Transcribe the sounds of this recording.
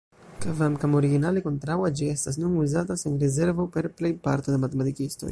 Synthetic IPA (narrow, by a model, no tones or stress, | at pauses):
kvamkamo̞ɾiɡinaleko̞ntɾawad͡ʒie̞stas̬nunuzatasenɾeze̞ɾvo̞pe̞ɾple̞jpaɾtodemate̞matikisto̰j